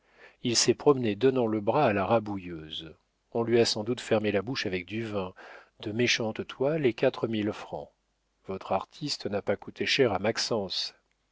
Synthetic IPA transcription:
ilsɛpχɔmned̪ɔnɑ̃ləbʁaːlaʁabujøz | ɔ̃lɥiasɑ̃d̪ut̪fɛʁmelabuʃavɛk̚d̪yvɛ̃ | d̪̥əmeʃɑ̃t̪t̪walekʲat̪χəmilfχɑ̰̃ | vɔt̪χaʁt̪ʰist̪napakut̪ʰeʃɛʁamaksɑ̃s

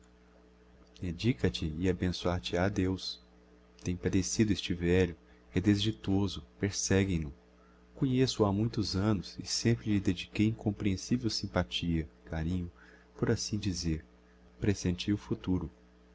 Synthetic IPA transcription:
d̪ed͡ʒikɐt͡ʃɪɪabẽsuaɾt͡ʃɪad̪ews | t̪ẽj̃pad̪esid̪ʊest͡ʃɪvɛʎʊ | hed̪ezd͡ʒit̪ozʊpeɾsɛɡẽj̃nʊ | kõɲesʊamũj̃t̪ʊzɐ̃nʊsɪsẽmpɾɪʎɪd̪ed͡ʒikejĩŋkõmpɾiẽsivewsĩpat͡ʃiɐkaɾĩɲʊ | poɾasĩd͡ʒizeɾ | pɾesẽnt͡ʃiʊfut̪uɾʊ

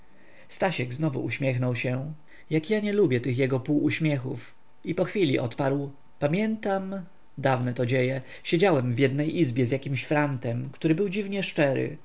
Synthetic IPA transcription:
st̪aɕɛɡznɔvṵʔuɕmʲjɛxnɔwɕɛ | jakjaɲɛlubʲjɛt̪ɘxjɛɡɔpuwuɕmʲjɛxuf | ipɔxfʲilʲiʔɔt̪paɾw | pamʲjɛnt̪am | d̪avnɛt̪ɔd͡ʑejɛ | ɕed͡ʑawɛmvʲjɛd̪nɛjʔizbʲjɛzjakʲimɕfɾant̪ɛmkt̪uɾɘbɘwd͡ʑivɲɛʂt͡ʂɛɾɘ̰

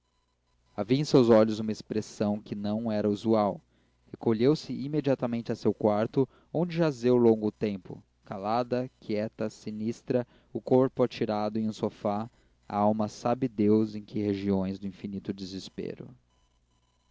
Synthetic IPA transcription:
aviɐẽsewzɔʎʊzũmɐespɾesɐ̃w̃kɪnɐ̃w̃ɛɾɐuzuaw | hekoʎewsɪʔimed͡ʒiat̪ɐmẽnt͡ʃɪɐsewkwaɾt̪ʊ | õd͡ʒɪʒazewlõɡʊt̪ẽmpʊ̰ | kalad̪ɐkiɛt̪ɐsinist̪ɾɐ | ʊkoɾpʊat͡ʃiɾad̪ʊẽj̃ũsofa | a̰awmɐsabɪd̪ewzẽj̃kɪheʒiõj̃zd̪ʊĩfinit̪ʊd̪ɪzɪspḛɾʊ̰

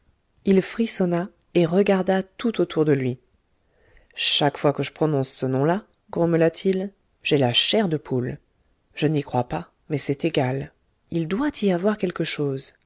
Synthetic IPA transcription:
ilfχisɔna | eʁəɡaʁd̪at̪ut̪ot̪ʰuʁd̪əlɥi | ʃakfwakəʒəpχɔnɔ̃sːənɔ̃la | ɡʁɔməlat̪ʰil | ʒ̥ɛlaʃɛʁd̪əpʰul | ʒ̥ənikχwapa | mɛsɛt̪eɡal | ild̪wat̪ʰiavwaʁkʲɛlkəʃoːz

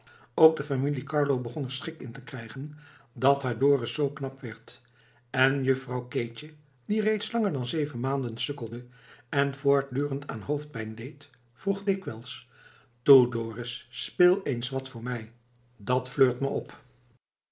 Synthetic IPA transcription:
owk̚dəfamilikɑɹlowbəχɔnəɹsχɪkɪntəkrɛjχən | dɑtɦaːɹdoːrəsowknɑpʋɛɹt | ɛnjɵfrɑwket͡ʃə | direjtslɑŋəɹdɑnzejvənmaːndənsɵkəlˠdə | ɛnv̥oːɹt̚dyːrəntʰa̰ːnɦowft̚pɛjndejt | fruχdɪkʋɛlˠs | tudoːrəsːpɪːlˠejnsʋɑtfʊːɹmɛj | dɑtfløːɹtməɔp

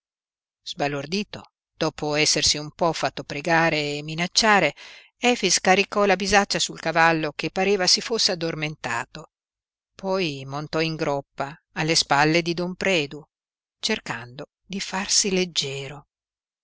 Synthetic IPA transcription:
z̥balord̪iːt̪o | d̪̥ɔːpoɛsːersiumpɔfːat̪ːopɾeɡaːɾeːmːinat͡ʃːaːɾe | ɛːfiskaɾikɔlabizat͡ʃːasulkavalːokepːaɾeːvasifosːead̪ːorment̪a̰ːt̪o | pʰɔjmont̪ɔiŋɡɾɔpːaː | lːespalːed̪id̪ompɾɛːd̪u | t͡ʃerkand̪o | d̪ifarsiled͡ʒːɛːɾo

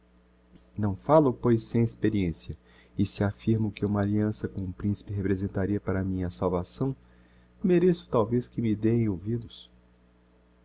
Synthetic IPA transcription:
nɐ̃w̃falʊpojsːẽj̃espeɾiẽsiɐ | ɪsɪafiɾmʊkɪũmɐaliɐ̃sɐkõũpɾĩsi̥pɪɦepɾezẽnt̪aɾiɐpaɾɐmĩɲɐsawvasɐ̃w̃ | meɾesʊ̥t̪awveskɪmɪd̪ejẽj̃owvid̪ʊs

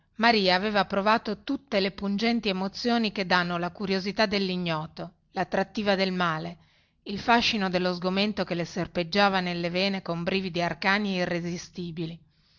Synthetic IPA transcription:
maɾiːaːveːvapɾovaːt̪ot̪ut̪ːelepund͡ʒɛnt̪iemot̪sːjoːniked̪ːanːolakuɾjozit̪ad̪ːelːiɲːɔːt̪o | lat̪ːɾat̪ːiːvad̪elmaːle | ilfaʃːinod̪elːozɡoment̪okeleserped͡ʒːaːvanelːeveːnekombɾiːvid̪iarkaːneirːezist̪iːbili

